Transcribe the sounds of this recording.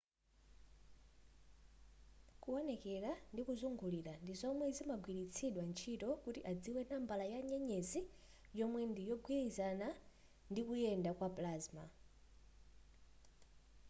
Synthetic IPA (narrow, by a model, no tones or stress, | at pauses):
kuɔnɛkɛɾandikuzuŋɡuliɾandizɔmwɛzimaɡwiɾit͡sʰiɗwant͡ʃʰitɔkutiʔad͡ziwɛnambalajaɲɛɲɛzi | jɔmwɛndijɔɡwiizana | ndikujɛndakwaplazma̰